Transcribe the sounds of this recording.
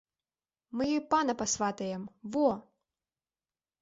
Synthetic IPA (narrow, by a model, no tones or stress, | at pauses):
mɨjɔjpanɐpasvat̪ɐjɛmvɔ